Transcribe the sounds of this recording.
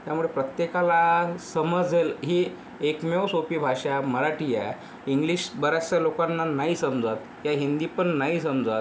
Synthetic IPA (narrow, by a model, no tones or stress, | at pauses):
t̪jamuɭepɾət̪jekalasəməd͡zelɦiː | ekmewsopiːbʱaʂaməɾaʈija̰ | iŋɡliɕbəɾast͡ɕalokanːanaɦiːsəmd͡zat̪ | ɦjaɦind̪iːpəɳːaɦiːsəmd͡zat̪